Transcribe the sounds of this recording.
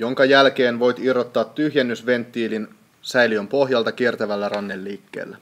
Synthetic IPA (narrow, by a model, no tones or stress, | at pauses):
jo̞ŋkɑjælk̟e̞ːnʋo̞jt̪irːot̪ːɑːt̪ːyhjænːysʋe̞nt̪ːiːlin | sæjliømpo̞hɦjɑlt̪ɑk̟ie̞rt̪æʋælːærɑnːelːiːkːḛːlːæ